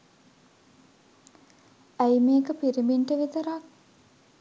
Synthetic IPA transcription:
æjmeːkəpiɾiminʈəʋit̪əɾak

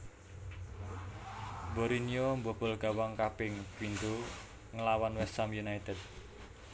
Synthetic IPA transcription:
boɾiniombob̥ɔ̤lɡ̥a̤waŋkapɪŋwind̪o | ŋəlawanwɛst̪amjunait̪ɛd̪̚

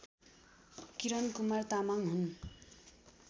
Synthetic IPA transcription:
kiɾʌnkumart̪amaŋɦun

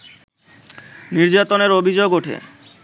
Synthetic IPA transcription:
niɾd͡ʑat̪oneɾobʱid͡ʑoɡoʈʰḛ

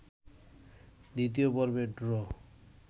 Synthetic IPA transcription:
d̪it̪̬ijobɔɾbeɖɾɔ

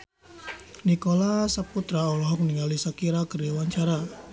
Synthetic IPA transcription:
nikolasəput̪ɾaolɔɦɔk̚niŋalisakiɾakəriwaɲt͡ʃaɾa

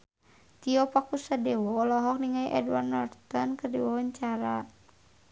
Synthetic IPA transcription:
t̪iɔpakusadɛwɔlɔɦɔk̚niŋaiʔɛ̰dwa̰rnːɔrt̪ɔnkərdiwawaɲt͡ʃaɾa

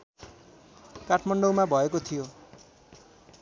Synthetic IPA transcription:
kaʈʰmʌɳɖowmabʱʌekot̪ʰijo

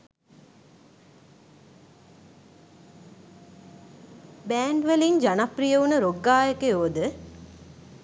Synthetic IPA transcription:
bæːɳɖʋeliŋd͡ʒanaprijəunəɾoɡːaːjəkejoːd̪ə

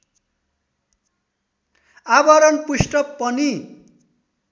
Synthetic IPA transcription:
abʌɾʌnpusʈʌkpʌni

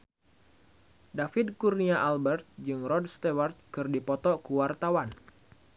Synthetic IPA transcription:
dafɪdkurniaʔalbɛrt̪̚d͡ʒɨŋrɔdst̪ewart̪̚kɨrdipɔt̪ɔkuwart̪awan

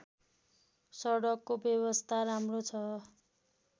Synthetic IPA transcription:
sʌɽʌkːobjʌβʌst̪ʰaɾamrot͡sʰʌ

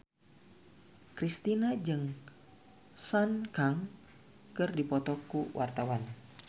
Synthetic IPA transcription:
kɾist̪inad͡ʒɨŋ | sankaŋ | kɨrdipɔt̪ɔkuwʔart̪awan

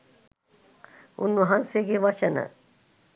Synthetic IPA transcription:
ṵnːuɦanseɡeʋɐʃənə̰

